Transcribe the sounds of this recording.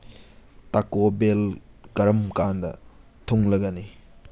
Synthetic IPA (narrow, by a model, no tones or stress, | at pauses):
takobel | ɡɐɾɐmkandɐ̰ | tʰoŋlɐɡɐni